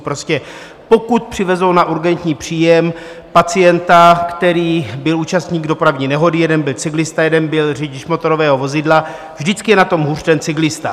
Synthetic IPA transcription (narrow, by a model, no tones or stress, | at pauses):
pɾo̞scɛ | po̞kut̪̚pr̝̥ɪvɛzownaʔuɾɡɛnt̪ɲiːpr̝̥iːjɛm | pat͡sɪjɛnt̪akt̪ɛɾiːbɪluːt͡ʃast̪ɲiːɡdo̞pɾavɲiːnɛɦo̞dɪjɛdɛnbɪlt͡sɪɡlɪst̪ajɛdɛnbɪlriɟɪʃmo̞t̪o̞ɾo̞vɛːɦo̞vo̞zɪdla | vʒdɪt͡skɪjɛnat̪o̞mɦur̥t̪ɛnt͡sɪɡlɪst̪a